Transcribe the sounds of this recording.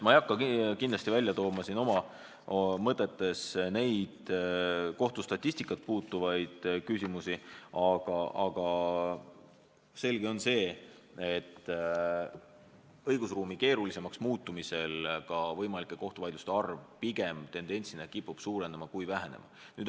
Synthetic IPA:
mɑejɑkːɑkind̪lɑst̪ivælʲjɑt̪o̞ːmɑsino̞mɑ | mɤt̪ːˑe̞t̪ːˑe̞sne̞jd̪̥ | ko̞ht̪ust̪ɑt̪ʲːˑist̪ikːˑɑt̪̚puːt̪ːˑuvɑjd̪̥kysʲimusiɑɡ̥ɑɑɡ̥ɑ | se̞lɡ̥eo̞nse̞ː | et̪ː | ɤjɡ̥usruːmike̞ːɾulise̞mɑksmuːt̪ːumise̞lkɑvɤ̞jmɑlikːˑe̞ko̞ht̪uvɑjd̪lust̪eɑrvpiɡ̥e̞mt̪e̞nd̪̥e̞nʲt̪sinɑkipːˑub̥suːɾe̞nemɑkujvæɦene̞̰mɑ̰ | nyːd̪

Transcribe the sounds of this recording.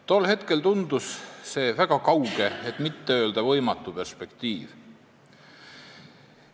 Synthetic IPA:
t̪o̞lːhe̞t̪ke̞lt̪und̪̥usse̞ːvæɡ̥ɑkɑwɡ̥e̞et̪ˑmit̪ːeø̞ːld̪̥ɑvɤ̞jmɑt̪ːˑupe̞rspe̞kt̪iːv̥

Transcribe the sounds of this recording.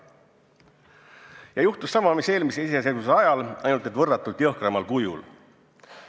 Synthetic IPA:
jɑjuht̪usːɑmɑmise̞ːlmiseiseeseɡus̬eɑjɑlʔɑjnult̪et̪vɤrːɑt̪ːˑult̪jɤhkremɑlkujṵl

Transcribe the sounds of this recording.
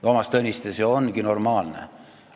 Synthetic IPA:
omɑst̪ɤnʲːist̪esonɡ̥ino̞rmɑːlnḛ

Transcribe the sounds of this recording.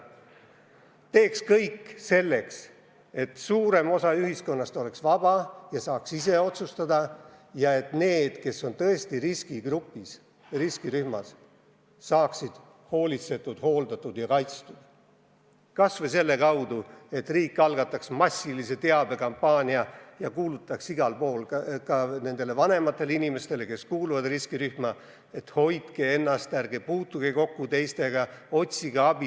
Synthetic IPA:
t̪e̞ːkskɤjkːse̞lːe̞ks | e̞t̪suːɾe̞mo̞sɑyhisko̞nːɑst̪o̞leksvɑb̥ɑjɑsɑːksise̞o̞t̪sust̪ɑd̪ɑjɑe̞t̪ne̞ːd̪̥ke̞so̞nt̪ɤ̞est̪iɾiskiɡ̥rupːis | riskiɾyhmɑsː | ɑːksid̪̥ | ho̞ːlʲit̪se̞t̪ːˑud̪̥ho̞ːld̪ɑt̪ːˑud̪̥jɑkɑjt̪st̪ud̪̥ | kɑsvese̞lːe̞kɑwd̪ue̞t̪ːriːkːɑlɡɑt̪ːˑɑksmɑsʲːilise̞t̪e̞ɑb̥e̞kɑmpːɑːnʲiɑjɑkuːlut̪ːˑɑksiɡ̥ɑlpo̞ːlkɑne̞nd̪̥e̞le̞vɑne̞mɑt̪ːˑe̞linime̞st̪e̞le̞ke̞skuːluvɑd̪riskiɾyhmɑ | e̞t̪ho̞jd̪kee̞nːɑst̪ærɡ̥epuːt̪ːuɡ̥eko̞kːut̪e̞jst̪e̞ɡɑo̞t̪ʲsiɡ̥ɑɑb̥i

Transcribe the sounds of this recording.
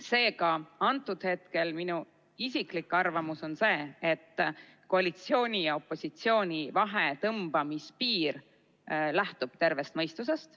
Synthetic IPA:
se̞ːkɑɑnt̪ːˑud̪̥he̞t̪̚ke̞lminu | isiklikːˑɑrvɑmuso̞nse̞ːet̪ˑː | ko̞ɑlit̪sio̞ːnʲijɑo̞pˑːo̞sit̪sio̞ːnʲivɑɦe̞t̪ɤmb̥ɑmispiːr | læht̪ub̥t̪e̞rve̞st̪̚mɤjst̪use̞st̪

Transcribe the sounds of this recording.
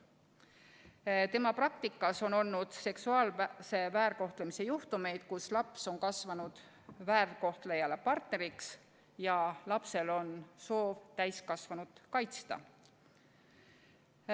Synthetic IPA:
t̪e̞mɑprɑk̚t̪ikːˑɑso̞no̞lnud̪̥se̞ksuɑːlse̞væːrko̞ht̪lemise̞juht̪ume̞jd̪̥kuslɑpso̞nkɑsvɑnud̪̥ | væːrko̞ht̪lejɑlepɑrt̪ne̞ɾiks | jɑlɑpse̞lo̞nso̞ːvt̪æjskɑsvɑnud̪̥kɑjt̪st̪ɑ̰

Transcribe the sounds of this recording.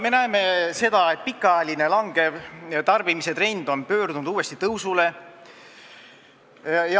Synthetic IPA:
me̞næeme̞se̞d̪̥ɑe̞t̪̚pikːˑɑæjɑline̞lɑŋɡ̥e̞vt̪ɑrbimise̞t̪re̞nd̪̥o̞npø̞ːrd̪unud̪uːe̞st̪it̪ɤwsule̞ | jɑ

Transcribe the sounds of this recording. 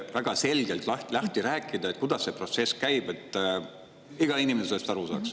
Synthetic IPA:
væɡ̥ɑse̞lɡ̥elt̪ˑlɑht̪lɑht̪iɾæːkˑːid̪̥ɑet̪̚kud̪̥ɑsːe̞pro̞t̪se̞skæjb̥e̞t̪ːˑ | iɡ̥ɑinimeselest̪ɑɾusɑ̰ːks

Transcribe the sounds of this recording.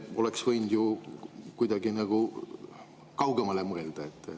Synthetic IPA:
o̞leksvɤjnd̪̥jukujd̪̥ɑɡinɑɡ̥u | kɑwɡemɑlemɤeld̪̥ɑet̪ːˑe

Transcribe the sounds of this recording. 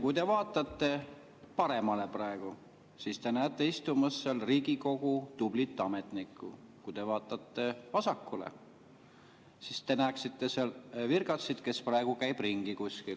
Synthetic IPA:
kujt̪e̞vɑːt̪ːˑɑt̪ːe̞ | pɑɾe̞mɑle̞prɑeɡ̥u | sist̪e̞næːt̪ˑːe̞ist̪umɑsːelriːɡiko̞ɡ̥ut̪ub̥lit̪ːˑɑme̞t̪nikːˑṵkujt̪e̞vɑːt̪ːˑɑt̪ˑːe̞vɑsɑkːulḛ | sist̪e̞næːksit̪ːe̞selvirɡ̥ɑt̪sid̪̥ke̞sprɑe̞ɡ̥ukæjb̥riŋɡ̥ikusʲkil

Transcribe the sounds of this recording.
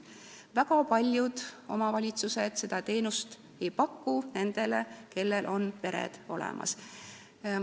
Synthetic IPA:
vækɑpɑlʲjud̪̥o̞̰mɑvɑlʲit̪sused̪̥se̞d̪̥ɑt̪e̞ːnust̪ | ejpɑkːune̞nd̪̥e̞leke̞lːelʔo̞npe̞ɾḛd̪̥o̞lḛmʔɑ̰s

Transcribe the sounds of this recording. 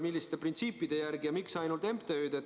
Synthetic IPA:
milːist̪e̞print̪siːpːˑid̪̥e̞jæɾɡ̥ijɑmiksɑjnult̪e̞mpt̪eød̪̥e

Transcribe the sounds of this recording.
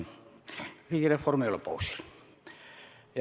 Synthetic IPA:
riːkireformeolopo̰usi̥l | j

